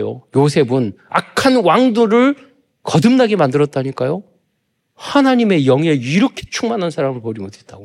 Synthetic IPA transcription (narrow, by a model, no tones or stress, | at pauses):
jo̰josʰe̞bɯna̰kʰanwaŋdoɾɯɭ | kʌdɯmnaɡemandɯɾʌt̚t͈aɲik͈ajo | hanaɲime̞jʌŋe̞ɥiɾʌkʰe̥t͡ɕʰuŋmanɦansʰaɾamɯɭpoɾiɡotʰe̞t̚t͈aɡo